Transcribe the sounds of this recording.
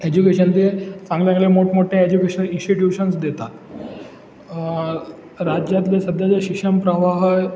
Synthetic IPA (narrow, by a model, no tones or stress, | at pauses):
ed͡ʑukeɕənd̪et͡sãŋɡljãŋɡlemoʈmoʈʰẽed͡ʑukeɕəninsʈiʈjuɕənsd̪et̪at̪ | ɾad͡ʑjat̪lesəd̪ʱjad͡zeɕikʂəmpɾəʋaɦə